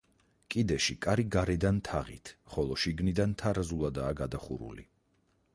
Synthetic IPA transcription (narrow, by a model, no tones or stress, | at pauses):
kʼid̪ɛʃikʼaɾiɡaɾɛd̪ant̪ʰaʁḭt̪ʰχɔlˠɔʃiɡnid̪ant̪ʰaɾazulˠad̪aːɡad̪aχṵɾṵlḭ